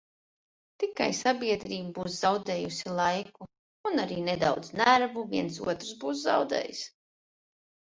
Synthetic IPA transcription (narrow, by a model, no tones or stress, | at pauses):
t̪ika̰jsabiɛd̪ɾiːbbuːszawd̪ɛːjusilˠajku | unaɾiːned̪awd̪z̥næɾvuvʲiɛns̬ṵɔt̪ɾsbuːs̬za̰wd̪ɛ̰ːjs